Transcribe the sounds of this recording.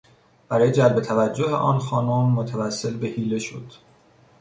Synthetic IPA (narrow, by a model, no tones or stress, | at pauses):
b̥æɾɒːjed͡ʒælbe̞t̪ʰævæd͡ʒːohḛʔɒ̰ːnxɒːnomːot̪ʰævæsːe̞lbe̞hiːle̞ʃo̰d̪̥